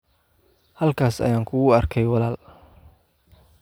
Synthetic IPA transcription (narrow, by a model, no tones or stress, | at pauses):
hɐlkʰaːsɐ̰jaːŋkʰʊɣʊɐrkʰɛjwɑlaːl